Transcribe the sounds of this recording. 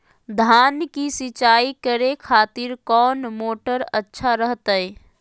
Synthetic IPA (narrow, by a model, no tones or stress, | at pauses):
d̪ʱaːnkisɪt͡ʃaːikəɾekʰaːt̪iɾkɔːnmoːʈəɾətːʃʰaɾəɦt̪əj